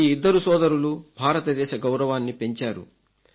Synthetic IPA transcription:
iid̪ːɐɾusɔːd̪ɐɾulubʱaːɾɐt̪ɐd̪ɛːʃɐɡɐwɾɐʋaːnːipe̞ɲt͡ʃaːɾṵ

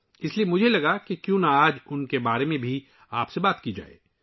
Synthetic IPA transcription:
ɪsliemʊd͡ʒʱelɐɡakekjũːnaaːd͡ʒʊnkebaːɾemẽbʱi | aːpsebaːt̪kid͡ʒa̰ːḛː

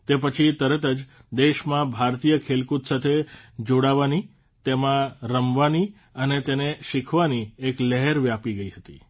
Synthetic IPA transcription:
t̪epət͡ʃʰit̪əɾət̪əd͡ʒ | d̪eʃmãbʱaɾt̪ijəkʰelkut̪sat̪ʰed͡ʒoɽaʋani | t̪emãɾəmʋani | ənet̪eneʃikʰʋaniekləɦeɾʋjapiɡəiɦət̪i

